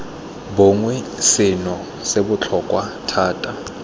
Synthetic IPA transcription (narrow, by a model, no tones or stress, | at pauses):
bʊŋwɛsɪnɔ | sebʊt͡ɬʰɔkʼwatʰaːtʼa